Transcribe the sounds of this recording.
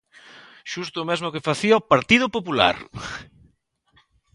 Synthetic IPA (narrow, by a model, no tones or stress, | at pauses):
ʃust̪ʊːmɛzmʊkefaθiaopaɾt̪ið̞ʊpopula̰ɾ